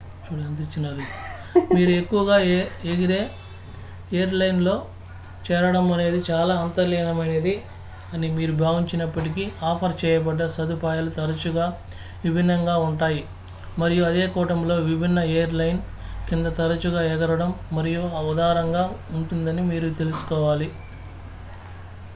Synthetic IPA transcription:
t͡ʃuːɽɐnd̪it͡ʃːinɐɾu | miːɾue̞kːuʋɐɡaːeɡiɾe̞ː | ejɐɾlɐjnlo̞ː | t͡ʃɛːɾɐɽɐmɐne̞ːd̪it͡ʃaːlaːɐnt̪ɐɾlɛːnɐmɐneːd̪i | ɐnimiːɾubʱaːʋiɲt͡ʃinɐpːɐʈik̬iaːpʰɐɾt͡ʃɛːjɐpɐɖːɐsɐd̪upaːjɐlut̪ɐɾɐt͡ʃuɡaː | ʋibʱinːɐŋɡaːuɳʈaːji | mɐɾijuɐd̪eːkɔːʈɐmlo̞ːʋibʱinːɐeːɐɾlɐjn | kind̪ɐt̪ɐɾɐt͡ʃuɡaːɛɡɐɾɐɽɐmːɐɾijuɐɐd̪aːɾɐŋɡaːuɳʈund̪ɐnimiːɾut̪e̞lusu̥kɔːʋaːli

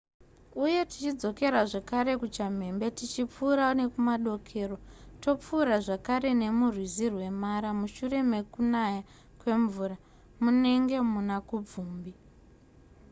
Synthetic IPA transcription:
uje̞ti̥t͡ʃid͡zo̞ke̞ɾaʐakaɾe̞kut͡ʃam̤e̞mbe̞tit͡ʃip͡fuːɾaune̞kumaɗo̞kʰe̞ːro̞to̞p͡fuːɾaʐakaɾe̞ne̞murwizirwe̞maɾamuʃure̞me̞kunaja | kwe̞ɱvuːra | mune̞ŋɡe̞munakub͡vuːmbi

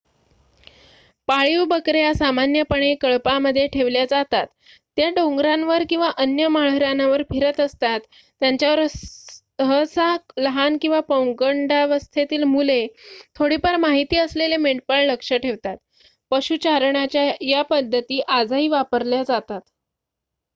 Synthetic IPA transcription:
paɭiʋbəkɾejasamanjəpəɳekəɭpaməd̪ʱːjeʈʰeʋljad͡zat̪at̪ː | jaɖoŋɡɾãnʋəɾkĩw̃ʋaʔənjəmaɭəɾanaʋəɾpʰiɾət̪əst̪at̪ː | jaɲt͡ɕjaʋəɾ | ɦəsaləɦankĩw̃ʋapəwŋɡəɳɖaʋəst̪ʰet̪iːlmulet̪ʰoɽipəɾmaɦit̪iːəslelemeɳʈ̚pəɭləkʂəʈʰeʋt̪at̪ | pəɕut͡ɕaɾɳat͡ɕjajapəd̪ʱːət̪iːʔad͡zaɦiːʋapəɾljad͡zat̪at̪

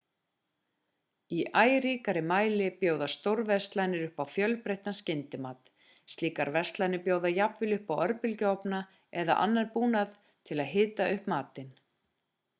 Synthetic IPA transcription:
iʔaːjɾiːkaɾɪmaːjlɪpjowðast̪owɾvɛ̥st̪lanɪɾʏhpawfjœlpɾejht̪anscɪnt̪ɪmaːt̪ | st̪liːkaɾvɛ̥st̪lajnɪpjoːwðajapvɪlʏhpawœɾpɪlcʏɔpna | ɛða̰ʔa̰nːanpuːnaθ | t̪ʰɪlaðɦɪːt̪aʔʏhpmaːt̪ɪn

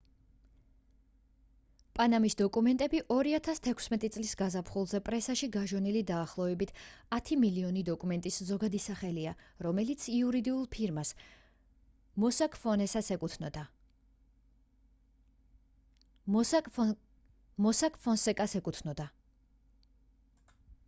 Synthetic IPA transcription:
pʼanamisd̪ɔkʼumɛnt̪ʼɛbiʔɔɾiat̪ʰast̪ʰɛkʰsmɛt̪ʼit̪sʼlisɡazapʰχulˠzɛpʼɾɛsaʃiɡaʒɛnilid̪aːχlˠɔvɛbit̪ʰat̪ʰimiliɔnid̪ɔkʼumɛnt̪ʼiszɔɡad̪isaχɛliaɾɔmɛlit̪sʰiuɾid̪iulˠpʰiɾmas | mɔsakʼfɔnɛsasɛkʼut̪ʰnɔd̪a | mɔsakʼfʰɔnsɛkʼasɛkʼut̪ʰnɔd̪a

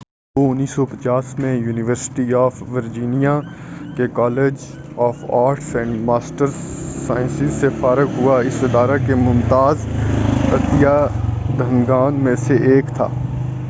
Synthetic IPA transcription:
oʊnːiːsɔpət͡ʃaːsmẽjuːnɪʋəɾsɪ̥ʈiaːfʋəɾd͡ʒiːnija | kekɔːleːd͡ʒ | ɔːfaːɾʈsɛ̃ɳɖmaːsʈəɾːaːɪ̃nsɪzsefaːɾəɡɦʊaɪsɪd̪aːɾakemʊ̃nt̪aːz | ɐ̰t̪ijad̪ʱəŋɡaːnmẽseʔeːkt̪ʰa̰ː

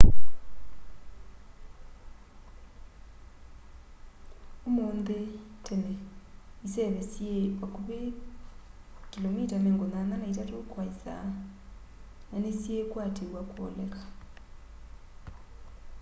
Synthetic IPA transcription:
umond̪etɛnɛisɛβɛsieakuβɛ | kʼilomitanɛŋɡɔnananaitatʰukʰwaisa̰ | nanesiekwatʰiwakʰʼɔlɛkʼḁ

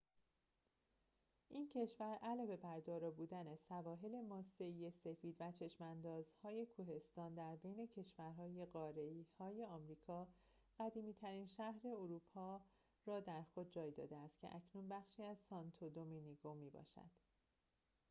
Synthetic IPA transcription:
ʔincʰe̞ʃvæɾʔælɒːve̞bæɾd̪ɒːɾɒːbuːd̪ænesævɒːɦe̞le̞mɒːse̞ije̞se̞fiːd̪væt͡ʃʰe̞ʃmænd̪ɒːzhɒːje̞kʰuɦe̞st̪ɒːnd̪æɾbe̞jne̞cʰe̞ʃvæɾɦɒːje̞ɢɒːɾeiːhɒːje̞ɒːmɾiːkʰɒː | ɣ̥æd̪iːmiːt̪ʰæɾiːnʃæhɾe̞oɾuːpʰɒː | rɒːd̪æɾxo̞d̪̚d͡ʒɒːjd̪ɒ̰ːd̪eæst̪̚cʰe̞̰ʔæcʰnunbæχʃiːæzsɒnt̪ʰod̪ominiɡomiːbɒ̰ːʃæ̰d̪̥

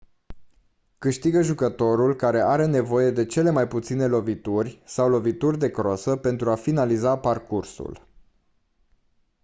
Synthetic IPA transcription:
kɨʃt̪iɡəʒukət̪o̞ɾulkaɾe̞ʔaɾe̞ne̞vo̞je̞d̪e̞t͡ʃe̞le̞majput̪sine̞lo̞vit̪urʲsawlo̞vit̪urʲd̪e̞kɾosəpe̞nt̪ɾuafinalizaparkursṵl

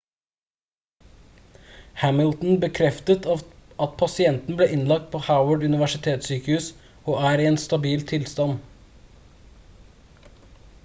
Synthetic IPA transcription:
hæməlt̪n̩bəkʰɾɛft̪ət̪ɑt̪pʰɑsɪɛnt̪n̩bleːʔɪnlɑk̚t̪̚pʰoːhaʊwəɖʉnɪʋæʃɪt̪ʰeːt̪syːkəhʉːs | oːʔæːɾiːeːnst̪ɑbiːlt̪ʰɪlst̪ɑn

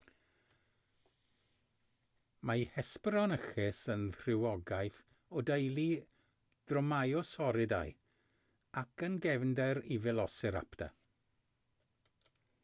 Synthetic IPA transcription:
mahɛspɾɔnəxɪsənθr̥ɪwɔɡajθ | ɔdejlˠi | d̥rɔmajɔsɔɾɪda̰ɨ | akʰənɡɛvndɛɾivɪlˠɔsɪɾa̰pta̰

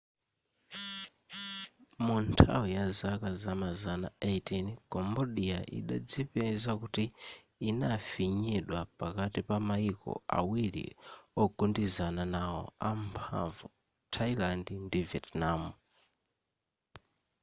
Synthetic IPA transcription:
muntʰa̰wijazakazamazanaejtinkɔmbɔɗija̰ʔḭɗa̰d͡zipɛzakuti | inafiɲiɗwapakatipamaikɔ̰a̰wilḭɔɡundizananaɔ̰ampʰa̰ɱvu | tʰailandindivɛtnamu

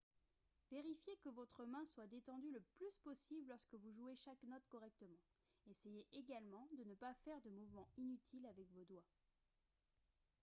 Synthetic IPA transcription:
veʁifjekəvɔt̪χəmɛ̃swad̪et̪ɑ̃d̪yləplyspɔsibllɔʁskəvuʒueʃaknɔt̪kɔʁɛk̚t̪əmɑ̃ | esejeʔeɡalmɑ̃d̪ənəpafɛʁd̪əmuvmɑ̃inyt̪ʰilavɛkvod̪wa

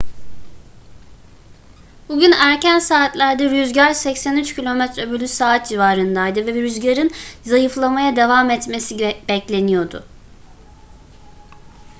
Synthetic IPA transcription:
buɟynæɾcænsaːt̪lʲæɾd̪ɛɾyzɟaɾsɛcsænyt͡ʃcilʲo̞mɛt̪ɾøbylʲysaːt̪̚d͡ʒivaːɾɯnd̪ajd̪ɯvɛbɾyzɟaɾɯnzajɯflˠamajad̪e̞vamɛt̪me̞sib̥ɛclʲe̞nijo̞d̪ʊ̰

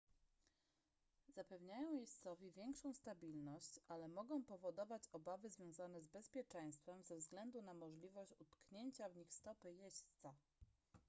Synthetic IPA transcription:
z̥apɛvɲajɔ̃w̃jɛɕt̪sɔvʲjivʲjɛŋkʂɔ̃w̃st̪abʲilnɔɕt͡ɕalɛmɔɡɔ̃w̃pɔvɔd̪ɔvat͡ɕɔbavɘzvʲjɔ̃w̃zanɛzbɛspʲjɛt͡ʂɛ̃j̃st̪fɛmvzɛvzɡlɛnd̪unamɔʐlʲivɔɕt͡ɕut̪kɲeɲt͡ɕavɲixst̪ɔpɘjɛɕt̪sa

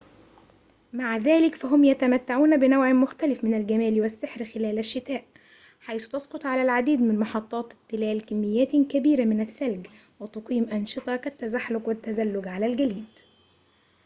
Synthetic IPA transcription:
maʕðæːlɪkfæɦʊmjæt̪æmæt̪ːaʕuːnbɪnawʕmʊxt̪ælɪfmɪnælɡæmæːliwɪsːɪħɾxɪlæːlæʃːɪt̪æːʔ | ħajθʊ̥t̪ɑsqʊt̪ˤʕalælʕad̪iːd̪mɪnmɑħɑt̪ˤːɑːt̪t̪ːɪlæːlkɪmːɪjːæːt̪kæbiːɾamɪnæθːælɡ | wɪt̪ɑqiːmʔɑnʃɨt̪ˤɑkæt̪ːæzaħlʊɡwɪt̪ːæzælːʊɡʕalælɡæliːd̪

